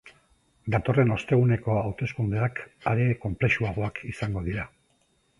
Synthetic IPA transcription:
d̪at̪o̞re̞no̞st̪e̞ɣ̞une̞ko̞awt̪e̞skund̪eakaɾe̞ko̞mple̞ʃuaɣ̞o̞akisaŋɡo̞ðiɾa

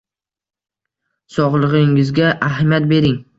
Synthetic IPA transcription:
sɒʁlˠɨʁɪŋɪzɡʲaʔaɦmjat̪̚be̞ɾɪŋ

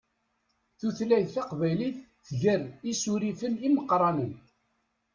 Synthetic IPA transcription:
θuθlæjθθɑqvæjliθːʝərisuɾifəniməqːɾˤɑnən

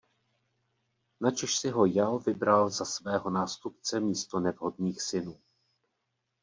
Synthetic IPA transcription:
nat͡ʃɛʃsɪɦo̞jalvɪbɾalzasvɛːɦo̞naːst̪upt͡sɛmiːst̪o̞nɛvɦo̞dniːxsɪnuː

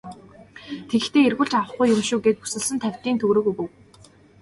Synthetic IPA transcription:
t̪ʰeɣɘ̆xt̪ʰeːerɣuːɮt͡ɕawə̆χɡʊjːʊmʃuːɡeːt̪̚pu̥sɘ̆ɮsɘ̆nt̪ʰæw̥ʲt̪iːnt̪ʰɵɣɾɵːɣujpɵ̆w

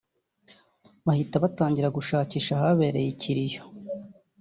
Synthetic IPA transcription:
βahitaβataːɲɟiɾaɡuʃaːciːʃahaβe̞ːɾe̞jicʰiɾijo̥

